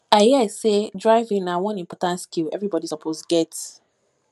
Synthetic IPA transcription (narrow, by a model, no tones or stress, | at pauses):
aɪhiasedɹaɪvĩŋnawɔ̃nĩmpɔtãntskilɛ̰vɹibɔdisɔpʰosɡɛts